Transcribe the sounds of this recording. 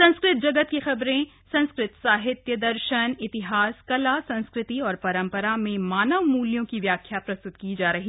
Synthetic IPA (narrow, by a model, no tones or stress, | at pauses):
sɐ̃nskɾɪt̪̚d͡ʒɐɡət̪̚kixɐbɾẽ | sɐ̃nskɾɪt̪saːɦɪt̪jəd̪ɐɾʃənɪt̪ɪɦaːskɐlasɐ̃nskɾɪt̪iɔːɾpɐɾə̃mpəɾamẽmaːnəʋmuːljõkiʋjaːkʰːjapɾɐst̪ʊt̪kid͡ʒaːɾɐɦi